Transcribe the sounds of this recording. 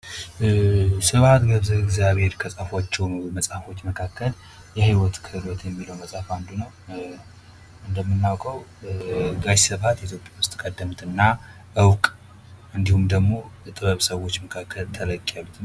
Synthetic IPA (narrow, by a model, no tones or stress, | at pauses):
sɨβat̪ɡəβzəβɪɡzjaβhe̞ɾkʰəsʼafot͡ʃːɛwmlməsʼhafo̞t͡ʃːməkʰakːəl | jɛhiwɔt̪kʰɨhɨlɔt̪ʰjɛmːiləwməsʼaafand̪unəw | ɨnd̪əmːɨnːawkʼəw | ɡajsəβat̪it̪ʰjo̞pʼjawʊst̪ʼkʼəd̪ːəmt̪ɨnːa | ʔɨwkʼ | ɨnd̪ihumd̪əɡmo̞ɛt̪ʼɨβəβsəwo̞t͡ʃːməkʰakʰːəlt̪ʰələkʼːalːut̪n